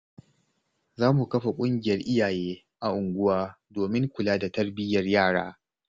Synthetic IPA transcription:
zaː˦mu˨kɐ˦ɸa˨kʷʼʊ˦ŋɡʲɪ˨jɐ˦rʔɪ˦jaː˨jeː˦ | ʔa˨ʔʊ˨ŋɡʷʊ˦waː˦ | doː˨mɪ˦ŋkʷʊ˨laː˦da˨tɐ˦rbɪ˦jɐ˨rjaː˦˨ɽa̰ː˦

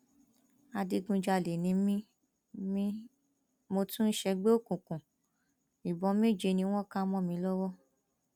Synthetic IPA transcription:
a˧di˧ɡũ˧d͡ʒa˧˨le˨nĩ˨˧˦mĩ˦ | mĩ˦ | mo˧tũ˦n̩˦ʃɛ˧ɡ͡be˦o˦˨kũ˨kũ˨ | i˨bɔ˨˧˦mĩ˦˨d͡ʒe˨˧nĩ˧˦w̃ɔ̃˦kã˦mɔ̃˦˨mĩ˧˦lɔ˦wɔ˦

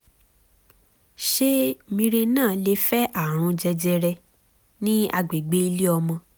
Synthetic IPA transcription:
ʃe˦mĩ˧ɾe˧nãː˦˨le˧fɛ˦ʔa˦˨ɾ̃ũ˧d͡ʒɛ˧d͡ʒɛ˧ɾɛ˧ | nĩ˦a̰˧ɡ͡be˨ɡ͡be˨˦i˧le˦ɔ˧mɔ̃˧

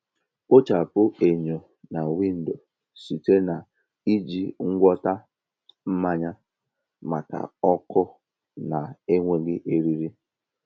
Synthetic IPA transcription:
o˦t͡ʃa˨pʊ˦e˨ɲo˨ | na˨wi˦n̩˨do˨ | su˨te˦na˨ | i˦d͡ʒi˨ŋ̩˦ɡʷɔ˦ta˦ | m̩˦ma˦ɲa˦ | ma˨ka̰˨ɔ˦kʊ˦ | na˨e˦ŋʷe˦ɡɪ˦ʔe˦ɾi˦ɾi˦

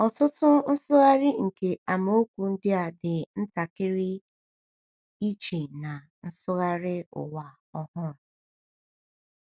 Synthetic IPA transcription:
ɔ˨tʊ˦tʊ˦n̩˦sʊ˦ɣa˦ɾɪ˦ŋ̩˨ke˨ʔa˨mo˦o˦kʷu˨n̩˦dɪ˦a˨dɪ˨n̩˦ta˨kɪ˦ɾɪ˦ | i˦t͡ʃe˨na˨ | n̩˦sʊ˦ɣa˦ɾɪ˦ʊ̰˨wa˨ | ɔ˦hʊ˦˨

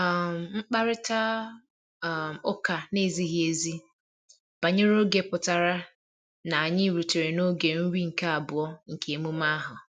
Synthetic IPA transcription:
m̩˨ŋ͡m̩˦k͡pa˦ɾɪ˦ta˦˨ | o˦ka˨ne˦˨zi˦ɦi˦e˦zi˦ | b̥a˨ɲɪ˦ɾo˦ɡe˨pʊ˨ta˨ɾa˦ | na˨a˨ɲɪ˦˨ɾu˨te˨ɾe˨no˦ɡe˨n̩˦ɾi˦ŋ̩˨ka˦a˨bʊ˨ɔ˦ŋ̩˨kʰe˨e˨mu˦ma˦ɦʊ˨

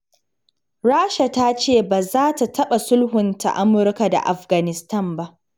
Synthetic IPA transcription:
ɽaː˦ʃa˨ta˦t͡ʃeː˦˨ba˨zaː˦ta˨tʰɐ˦ɓa˨sʊ˦lɦʊ˨nta̰˨ʔa˦mʊ˦ɾka˨da̰˨ʔa̰˨ɸɡa˨nɪ˨stɐ˦˨mba˦ʔ

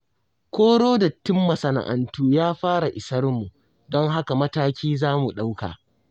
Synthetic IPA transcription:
kʷoː˦ɽoː˦da˨tːɪ˦mːɐ˨sɐ˨na̰˨ʔa̰˨ntuː˦jaː˦ɸaː˦ɾa˨ʔɪ˨sɐ˦rmu˨ | dɔ˦ŋɦa˦ka˨mɐ˦taː˦kʲiː˦zaː˦mu˨ɗa˦wka̰ː˨

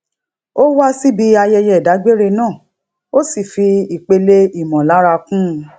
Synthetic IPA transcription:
o˦wa˦si˦bi˧a˧jɛ˧jɛ˦˨da˨˦ɡ͡be˦ɾe˧nãː˦˨ | o˦si˦˨fi˧i˨k͡pe˧le˦i˦˨mɔ̃˨la˨˦ɾa˧kũ˦˧

